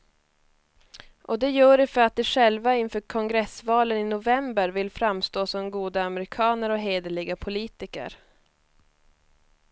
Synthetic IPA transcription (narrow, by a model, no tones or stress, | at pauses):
ʔɔd̪ɛjœːɖɛfœɾat̪̚d̪ɛʂɛlvaɪnfœːɾkʰɔŋɡɾɛsvɑːlənɪnʊvɛmbəɾvɪlfɾamst̪oːsɔmɡuːd̪aamɛɾɪkʰɑːnəɾɔɦeːd̪əɭɪɡapʰʊliːt̪ɪkə̰ɾ